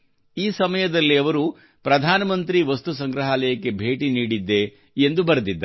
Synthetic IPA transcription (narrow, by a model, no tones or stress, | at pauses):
iːsɐmɐjɐd̪ɐlːiɐʋɐɾu | pɾɐd̪ʱaːnɐmɐnt̪ɾiʋɐst̪usɐŋɡɾɐɦaːlɐjɐkːe̞bʱe̞ːʈiniːɽid̪ːe̞ | end̪ubɐɾɐd̪id̪ːɐ